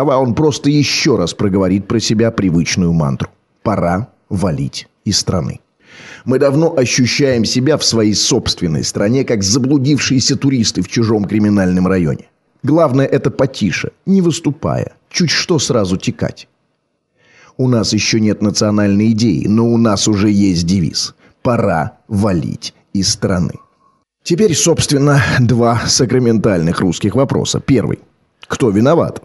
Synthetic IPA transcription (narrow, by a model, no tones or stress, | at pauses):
ɐvao̞npɾo̞st̪əjɪɕːo̞ɾaspɾəɡəvɐɾʲit̪̚pɾəsʲɪbʲapɾʲɪvɨt͡ɕnʊjʊma̰nt̪ɾʊ̥ | pɐɾa | vɐlʲḭtʲ | ɪsːt̪ɾɐ̰nɨ̰ | mɨd̪ɐvno̞ʔɐɕːʉɕːæjɪmsʲɪbʲafsvɐjejso̞pst̪vʲɪnːə̰jst̪ɾɐnʲe̞kakzəblˠʊdʲifʂɨjɪsʲət̪ʊɾʲist̪ɨft͡ɕʊʐo̞mkɾʲɪmʲɪnalʲnɨmrɐjo̞̰nʲɪ | ɡlˠavnəjəʔɛt̪əpɐtʲʰiʂə̰nʲɪvɨst̪ʊpa̰jə̰ | t͡ɕutʲʂt̪o̞sɾazʊtʲɪka̰tʲ | ʊnasjɪɕːonʲet̪nət̪sɨɐnalʲnəjɪdʲejɪ̰no̞ʊnasʊʐɛjesʲt̚ʲdʲɪvʲḭs | pɐɾa̰vɐlʲḭtʲ | ɪsːt̪ɾɐnɨ̰ | tʲɪpʲeɾʲso̞pst̪vʲɪnːəd̪vasəkɾəmʲɪnt̪alʲnɨxruskʲɪxvɐpɾo̞̰sə̰pʲe̞rvɨ̰j | kt̪o̞vʲɪnɐva̰t̪